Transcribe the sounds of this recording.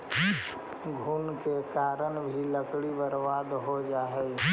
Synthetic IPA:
ɡʱuːnkekaːɾəɽ̃bʱiləkɽibəɾʋaːd̪ɦod͡ʒaːɦe

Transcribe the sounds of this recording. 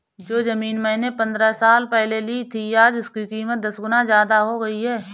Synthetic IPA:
d͡ʒoːzəmiːnmɛ̃ːnepɐ̃nd̪ɾəsaːlpɛɦleliːt̪ʰiaːd͡ʒʊskikiːmət̪̚d̪ɐsɡʊnazjaːd̪aɦoɡɐiɦɛː

